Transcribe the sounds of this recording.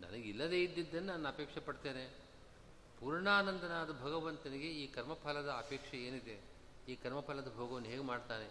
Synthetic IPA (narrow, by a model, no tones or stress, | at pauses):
nɐ̰nɐɡilːɐd̪e̞ːid̪ːid̪ːɐnːenaːnuɐpeːkʂɐpɐɽt̪e̞ːne̞ | puːɾɳaːnɐnd̪ɐnaːd̪ɐbʱɐɡɐʋɐnt̪ɐniɡe̞iːkɐɾmɐpʰɐlɐd̪ɐːpeːkʂɐe̞ːnid̪e | iːkɐɾmɐpʰɐlɐd̪ɐbʱoːɡɐʋɐnːuɦeːɡemaːɖt̪aːne